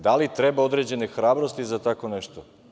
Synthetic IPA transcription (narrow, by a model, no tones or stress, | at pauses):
d̪alit̪ɾebao̞d̪ɾed͡ʑe̞nexɾaːbɾost̪izat̪ako̞neʃt̪o